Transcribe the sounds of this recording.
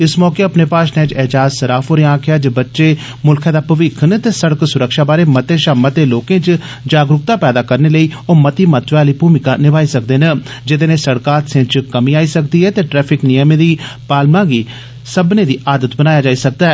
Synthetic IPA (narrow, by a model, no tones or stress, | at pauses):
ɪsmɔːkeːəpneːpaːʃnẽːt͡ʃɛɦd͡ʒaːzsəɾaːfoːɾeãːkʰɪjaːd͡ʒəbətːʃeː | mʊlkʰãːd̪aːpəʋɪkʰnt̪eːsəɽəksʊɾəkʃaːbaːɾeːmət̪eːʃaːmət̪eːloːkẽːt͡ʃ | d͡ʒaːɡɾʊk̚t̪aːpɛːd̪aːkəɾneːləiːoːmət̪iːmət̪ʋaːləiːbuːmɪkaːnɪbaːiːsək̚d̪eːnə | d͡ʒɪd̪ẽːnẽːsəɽkaːt̪sɪ̃t͡ʃkəmĩːaːiːsək̚d̪iːɦɛːt̪eːʈɾɛːpʰɪknɪjəmẽːd̪iːpaːlmãːɡiː | səbnẽːd̪iːʔaːd̪ət̪bənaːjaːd͡ʒaːiːsək̚d̪aːɛː